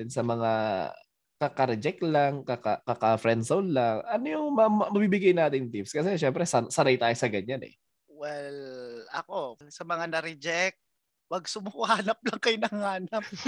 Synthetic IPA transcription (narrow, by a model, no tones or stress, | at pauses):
ʊnsɐmɐŋa | kɐkɐɾɛd͡ʒɛk̚laŋkɐkakɐkafɾɛnd̪sowllaŋʔɐnojʊŋmɐmɐbibɪɡajnaːt̪ɪŋd̪ɪpskɐsɛʃɛmpɾɛsɐsɐɾajt̪aːjosɐɡɐɲanɛ̰ | wɛlɐ̰kosɐmɐŋanɐɾɪd͡ʒɛk̚t̪̚ | pɐɡ̚sʊmʊhaːnɐp̚lɐŋkɐjnɐŋaːnɐp̚